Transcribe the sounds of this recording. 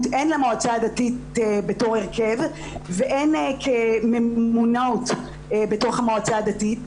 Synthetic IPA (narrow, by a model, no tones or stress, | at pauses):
tenlamoat͡saːd̪atitebeto̞ʁeʁke̞v | veʔenkʰememunaut | be̞to̞χhamoat͡saːd̪atit